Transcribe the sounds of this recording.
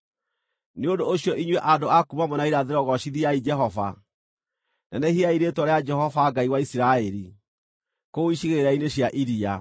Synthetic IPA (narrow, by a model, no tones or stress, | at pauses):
neodoːɕiɔʔiɲwɛʔandoakumamɔnaiɾaðeɾɔɣɔʃiðiaid͡ʒɛɦɔva | nanɛhiaiɾetwɔɾead͡ʒɛhɔvaɡaiwaisiɾaɛɾi | koiʃiɣeeɾaineɕjaʔiɾia